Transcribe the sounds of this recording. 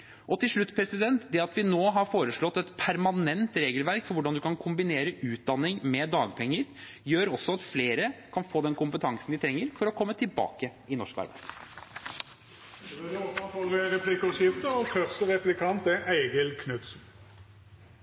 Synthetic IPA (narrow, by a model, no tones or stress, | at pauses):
ʔɔt̪ɪlʂɭʉt̪ːpʰɾɛsɪd̪ɛnt̪d̪ɛɑt̪ʋɪnoːɦɑɾfoːɾəʂɭɔt̪ːɛt̪pʰæɾmɑnɛnt̪ɾeːɡəlʋæɾkfɔɾʋʊɖɑnd̪ʉkɑnkʰʊmbɪneːɾəʔʉːt̪̚d̪ɑnːɪŋmɛd̪ɑːɡpʰɛŋːəɾ | jøːɾɔsːɔɑt̪fleːɾəkʰɑnfoːd̪ɛnkʊmpət̪ʰɑŋsn̩d̪ɪt̪ʰɾɛŋːəɾfɔɾɔkʰɔmːət̪ʰɪlbɑ̰ːkəɪnɔʂkɑ̰ɾbæ̰ɪsʰ | nɔɑfɔlɡəʁɛpʰlikɔʂɪft̪əɔfœʁsəʁɛplɪkʰɑnt̪ɛʔæɪɡəlkʰnʉt̪sn̩